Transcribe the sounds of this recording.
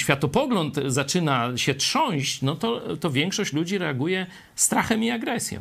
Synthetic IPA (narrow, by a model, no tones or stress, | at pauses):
ɕfʲat̪ɔpɔɡlɔnt̪zat͡ʂɘnaɕɛtʂɔ̃w̃ɕt͡ɕnɔt̪ɔt̪ɔvʲjɛŋkʂɔɕt͡ɕlud͡ʑiɾɛaɡujɛ | st̪ɾaxɛmiaɡɾɛsʲjɔ̰̃